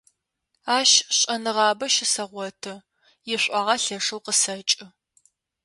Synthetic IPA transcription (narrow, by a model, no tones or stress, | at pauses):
aːʃɕʼɐnɨʁɑːbɐʃɪsɐʁʷɔtʰɨ | jɪɕʷʼɑːʁɐɬɐʂɨwqəsɐt͡ʃʼɪ